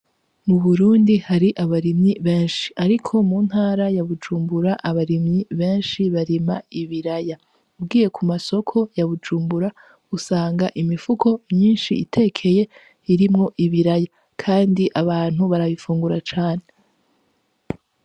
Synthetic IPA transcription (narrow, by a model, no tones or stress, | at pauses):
muβuɾuːndihaɾiʔaβaɾimɲiβe̞ːnʃi̥aɾikʰo̞muːn̥haːɾajaβud͡ʒuːmbuɾaʔaβaɾimɲiβe̞ːnʃiβaɾimaiβiɾaja | ubɡiːje̞kʰumaso̞kʰo̞jaβud͡ʒuːmbuɾa | usaːŋɡaʔimifukʰo̞mɲiːnʃiitʰe̞ːkʰe̞je̞ | iɾimŋo̞ʔiβiɾaja | kʰaːndiʔaβaːn̥huβaɾaβifuːŋɡuɾat͡ʃaːne